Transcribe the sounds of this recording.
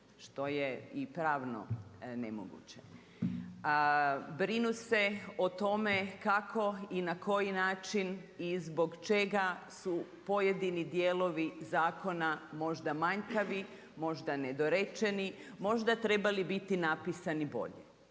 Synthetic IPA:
ʃt̪o̞jeipɾaːʋno̰nḛmo̰ɡṵt͡ɕe | bɾinuse̞ot̪o̞me̞kakʰo̞inakʰo̞jinaːt͡ʃin | izbo̞ɡt͡ʃe̞ɡasu | po̞je̞d̪inid̪jeːlo̞ʋizaːko̞namo̞ʒd̪amaɲkaʋi | mo̞ʒd̪aned̪o̞ɾet͡ʃe̞nimo̞ʒd̪at̪ɾe̞balibit̪inapisanibo̞̰ʎḛ

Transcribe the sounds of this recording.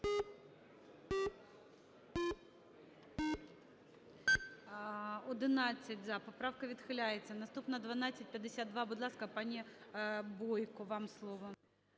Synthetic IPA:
ɔd̪ɪnɑt͡sʲːɐtʲzɐpɔpɾawkɐʋʲid̪xɪlʲajet͡sʲːɐnɐst̪upnɐd̪ʋɐnat͡sʲːɐtʲpʲjɐd̪ːesʲatd̪̚d̪ʋabuʊd̪lˠɑskɐpanʲi | bɔjkɔʋamslˠɔʋɔ

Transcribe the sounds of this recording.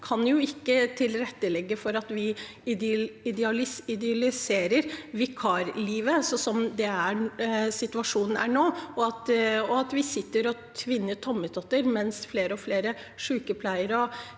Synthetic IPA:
kʰɑnjʊɪkːət̪ʰɪlɾɛt̪ːəlɛɡːəfɔɾɑt̪ʋɪ | ɪɪd̪ɑlɪɪd̪ɛɑlɪseːɾəɾʋɪkʰɑɾliːʋəsɔsɔmd̪ɛæsɪt̪ʉʋɑʂuːnn̩ʔæ̰ɳoːɔɑt̪ɔɑt̪ʋɪsɪt̪ːəɾɔt̪ʰʋɪnːət̪ʰɔmːət̪ʰɔt̪ːəɾmɛnsfleːɾəɔfleːɾə | ʂʉːkəpʰlæɪəɾɔ

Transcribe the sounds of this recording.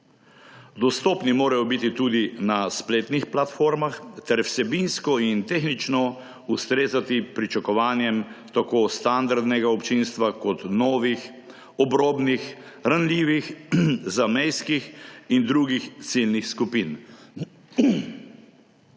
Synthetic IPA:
d̪ɔst̪ɔːpnimoːɾajɔbit̪it̪uːd̪inaspleːt̪nixplat̪foːɾmaxt̪ɛɾwsɛbinskɔint̪exnit͡ʃnɔ | ust̪ɾeːzat̪ipɾit͡ʃakɔʋaːnjɛmt̪akoːst̪and̪aɾd̪nɛɡaɔpt͡ʃinst̪ʋakɔt̪nɔːʋix | ɔbɾoːbnix | ɾanliːʋixzamejskixind̪ɾuɡixt̪silnixskupin

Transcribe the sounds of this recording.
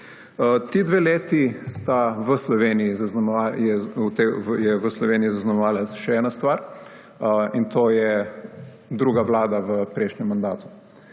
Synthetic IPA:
t̪id̪ʋeːleːt̪ist̪aʋəslɔʋeːnijizazmajɛut̪ejɛʋəslɔʋeːniizaznɔmɛʋaːlaʃɛɛːnast̪ʋaɾ | int̪ʰoːjɛ | d̪ɾuːɡaʋlaːd̪aʋəpɾɛjʃnɲɛmːand̪aːt̪u̥

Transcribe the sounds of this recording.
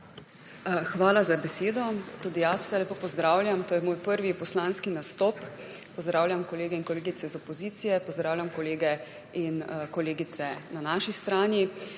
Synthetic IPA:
xʋaːlazabɛseːd̪ɔt̪uːd̪ijasw̥sɛlepoːpɔzd̪ɾaːwlʲjamt̪oːjɛmoːjpəɾʋipɔslaːnskinast̪ɔːp | pɔzd̪ɾaːwljamkɔleːɡɛinkɔleːɡitsɛzɔpɔziːt̪sijɛpɔzd̪ɾaːwlʲjamkɔleːɡɛ | inkɔleːɡit̪sɛnanaːʃist̪ɾaːnji

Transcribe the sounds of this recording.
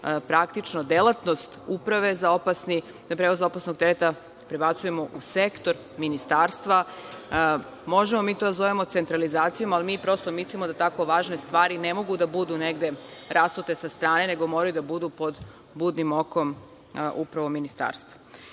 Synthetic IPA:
pɾakt̪it͡ʃno̞d̪e̞lat̪no̞st̪upɾaʋe̞zaopasni | d̪apɾeʋozo̞pasno̞ɡ̚t̪eɾet̪a | pɾebat̪suje̞mo̞ʔusekt̪o̞ɾ | minist̪aːɾst̪ʋa | mo̞ʒemo̞miːt̪od̪azo̞ʋemo̞t̪se̞nt̪ɾalizaːt̪sijo̞malimiːpɾo̞st̪o̞mislimo̞d̪at̪ako̞ʋaːʒne̞st̪ʋaːɾine̞mo̞ɡud̪abud̪une̞ɡd̪e̞ɾast̪ot̪e̞sast̪ɾaːne̞ne̞ɡo̞mo̞ɾajud̪abud̪upo̞d̪ | buːd̪nimo̞ko̞m | ʔupɾaʋo̞minist̪a̰ːɾst̪ʋa

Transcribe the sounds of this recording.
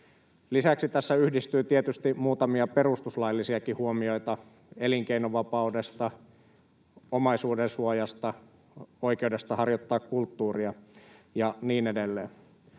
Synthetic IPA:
lisæksit̪æsːæyhdist̪yːt̪iet̪yst̪imuːt̪ɑmiɑpe̞ɾust̪uslɑjlːisiɑkihuomio̞jt̪ɑ | eliŋkeinoʋɑpɑude̞st̪ɑ | omɑjsuːdensuojɑst̪ɑ | o̞jk̟eude̞st̪ɑhɑrjot̪ːɑːkkult̪ːuːriɑjɑniːnedelːḛːn

